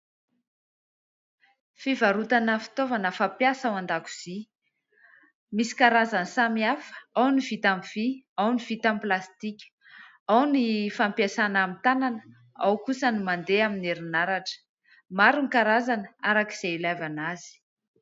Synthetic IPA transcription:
fivaɾut̪anəfi̥t̪ovanəfapjasawand̪aku̥z̥i | misi̥kaɾazansamiafə̥awniv̥it̪amv̥iawniv̥it̪amplast̪ikʲə̥ | awnifampjasanamit̪ananə̥ | awkusənimand̪eamineɾinaɾaʈ͡ʂə̥ | maɾunikaɾazanəaɾaki̥z̥eilavanazi̥

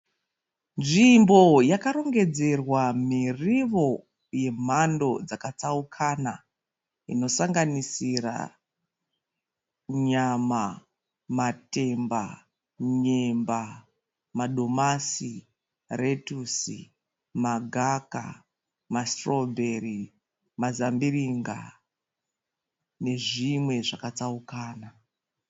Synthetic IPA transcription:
nʐimbo̞jakaɾo̞ŋɡe̞d͡ze̞rwamiriʋo̞ | je̞m̤ando̞d͡zakat͡saukʰana | ino̞saŋɡanisira̰ | ɲama | mate̞mba | ɲe̞mba | maɗʱomasi | retusḭ | maɡʱaka̰ | mastrobʱe̞ri | mazambiriŋɡa̰ | ne̞ʐimwe̞ʐakat͡saukaːna

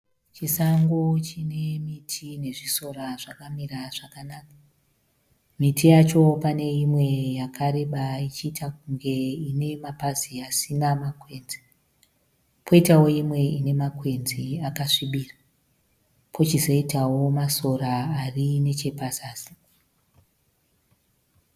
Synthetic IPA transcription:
t͡ʃisaŋɡot͡ʃine̞mitʰine̞ʐiso̞raʐakamiraʐ̥akanaːka | mitʰijat͡ʃo̞pane̞imwe̞jakʰaɾe̞ɓait͡ʃiːtak̚uŋɡe̞ine̞mapaziasinamakwe̞nzi | pʰo̞itawo̞imwe̞ine̞makwe̞nziakaʂiɓiːra | pʰo̞t͡ʃizo̞itawo̞maso̞ɾaːrine̞t͡ʃe̞pasaːsḁ

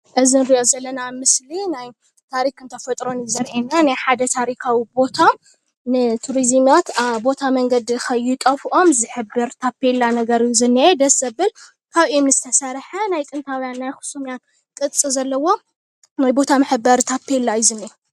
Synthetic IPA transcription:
ʔɨzinɾiʔo̞zɐlːɐnamɨslinaj | t̪ʰaɾikɨnt̪ʰɐfɐt̪ʼɾo̞njɪzɐɾʔenːanajħad̪ɐt̪ʰaɾikʰawibo̞t̪ʰa | nɨt̪ʰuɾizmjat̪aβbo̞t̪ʰamɐŋɡɐd̪ikʰɐjːɪkʼɐfʔo̞mzɨħɨbːɨɾt̪ʰapʰːelːanɐɡɐɾjzɨnːiʔed̪ɐsɐbɨl | kʰaβiimnɨzɨt̪ʰɐsɐɾħɐnajkʼɨnt̪ʰawjanːajxu̥sumijan | kʼɨt̪ʼt͡sʼizɐlːɐwo̞ | najbo̞t̪ʰamɨħɨbːɐɾt̪ʰapʰːelːajzɨnːie

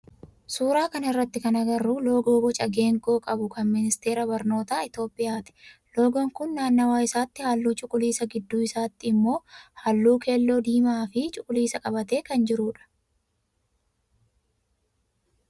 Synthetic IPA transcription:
suːɾaːkɐnɐɪrːɐt̪ːɪkɐnɐɡɐrːuːlo̞ːɡoːɡɔt͡ʃʼɐɡe̞ːŋko̞ːkʼɐbʊkɐnmɪnɪst̪e̞ːɾɐbɐɾno̞ːt̪aːɪt̪jo̞ːpʼɪjaːt̪ɪ̥lo̞ːɡɔŋkʊnːaːnːɐwaːɪsaːt̪ːɪhalːuːt͡ʃʼʊkʼʊliːsɐɡɪd̪ːuːɪsaːt̪ːɪɪmːo̞ːhɐlːuːkʰe̞ːlːo̞ːd̪iːmaːfɪt͡ʃʼʊkʼʊliːsɐkʼɐbɐt̪e̞ːkɐnd͡ʒɪɾuːᶑɐ̥

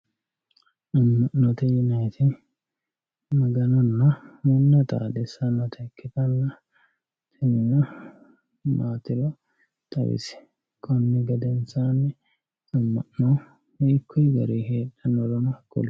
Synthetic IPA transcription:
ʔɐmːɐʔnːɔt̪ɛjɪnɐjt̪ɪ | mɐɡɐnɔnːɐmɔnːɐt̪ʼa̰ːd̪ɛsɐnɔt̪ʰɐkʰːɪt̪ɐlːɐ | t̪ʰɪnɪnɐ | maːt̪ɪɾɔ | t̪ʼɐ̰wɪ̰sɪ̥ | kʰʼɔnːɪɡɐd̪ɛnsaːnːɛ | ɐmːɐʔno | mekʰːɔjɡɐɾeːheːᶑːɐnɔɾɔnɐkɔ̰l

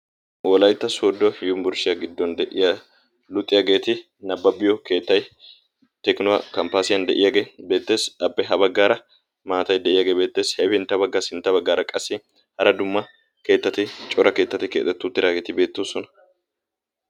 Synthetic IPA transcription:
wɔlɐjt̪ːɐsoːd̪ːɔjʊmbʊɾʃɪjɐɡɪd̪ːɔnd̪ɛʔɪja | lʊt̪ʼːɪjɐɡe̞ːt̪ɪ | nɐbːɐbɪjɔke̞ːt̪ːɐj | t̪ɛknɔwɐkɐmpaːsɪjɐnd̪ɛʔɪjɐɡeːbe̞ːt̪ːe̞ːsɐbːɛɦɐbɐɡːaːɾɐ | maːt̪ɐjd̪ɛʔɪjɐɡeːbe̞ːt̪ːe̞ːshɛfɪnt̪ːɐbɐɡːasɪnt̪ːɐbɐɡːaːɾɐkʼɐsːɪ | hɐɾɐd̪ʊmːɐ | ke̞ːt̪ːɐt̪ɪt͡ʃʼɔɾɐke̞ːt̪ːɐt̪ːɪkḛːt̪ːɛt̪ːʊt̪ːɪɾaɡeːt̪ɪbe̞ːt̪ːoːsɔnɐ̥

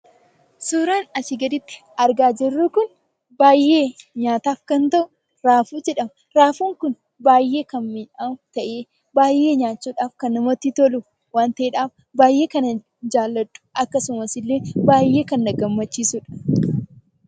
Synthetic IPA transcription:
suːɾaːnɐt͡ʃɪɡɐd̪ɪt̪ːɪ̥ | ɐɾɡaːd͡ʒɛrːuːkʊn | baːjːe̞ːɲaːt̪aːfkɐnt̪ɐʔʊ | ɾaːfuːd͡ʒɛᶑɐmɐ | ɾaːfuːŋkʊn | baːjːe̞ːkɐnmɪnat̪ɐʔeː | baːjʔːe̞ːɲaːt͡ʃːuːᶑaːfkɐnːɐmɔt̪ːɪt̪ɔlʊ | waːnt̪ɐʔeᶑaːf | baːjːe̞ːkɐnɐ | d͡ʒaːlːɐtʼːʊ̥ɐkːɐsʊmɐsɪlːe̞ːbaːjːe̞ːkɐnːɐɡɐmːɐt͡ʃːiːsʊᶑɐ̥

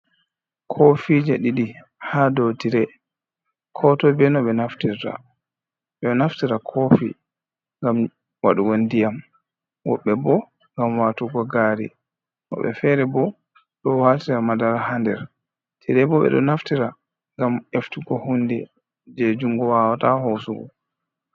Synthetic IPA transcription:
kʰofid͡ʒaɗiɗi | hadotiɾɛ | kʰɔtɔbɛnɔɓɛnaftiɾta̰ | ɓɔnaftiɾakʰofḭ | ŋɡam | wa̰ɗuwondijam | wɔ̰ɓːɛbɔ | ŋɡamwatuɡɔɡaːɾḭ | nɔ̰ɓɛ̰fɛɾɛbɔ | ɗɔwaːtiɾamadaɾahandɛɾ | tʰiɾɛbɔɓɛ̰ɗɔ̰naftiɾa | ŋɡameftuɡɔhundɛ | d͡ʒɛd͡ʒuŋɡɔwaːwatahosuɡɔ̰

